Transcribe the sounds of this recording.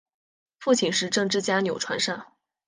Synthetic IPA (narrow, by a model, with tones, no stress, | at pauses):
fu˥˩t͡ɕʰi˨˩nʂɻ̩˥˧ʈ͡ʂɤ˥˧ŋʈ͡ʂɻ̩˥˩t͡ɕja˥njo˨˩ʊʈ͡ʂʰwa˧˥nʂa˥˩ŋ